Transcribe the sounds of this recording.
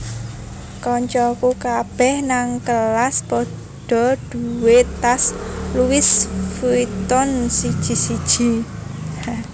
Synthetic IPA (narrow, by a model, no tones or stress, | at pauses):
kɔɲt͡ʃɔkukab̥ɛhnaŋkəlaspɔ | ɖ̥ɔ̤d̪̥uwet̪asluwɪsfuit̪ɔnsid̥ʒ̥i̤sid̥ʒ̥i̤